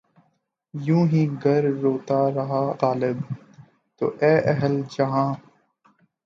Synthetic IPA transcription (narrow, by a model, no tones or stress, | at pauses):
jũːɦĩːɡɐɾːoːt̪aːɾɐɦaːɣaːlɪb | t̪o̰ːʔɛːʔɐɦəld͡ʒɐɦãː